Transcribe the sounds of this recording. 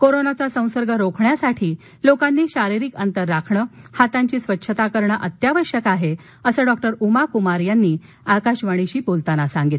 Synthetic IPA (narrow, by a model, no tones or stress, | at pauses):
koɾonat͡sasə̃w̃səɾɡʱəɾokʰɳjasaʈʰiː | lokanːiːɕaɾiɾiːkənt̪əɾːakʰɳəhat̪aɲt͡ɕiːsʋətːɕʰət̪akəɾɳaʔət̪jaʋəɕjəkaɦe | əsəːɖɔk̚ʈəɾumakumaɾjanːiː | akaɕʋəɽ̃iɕiːpolt̪anasaŋɡit̪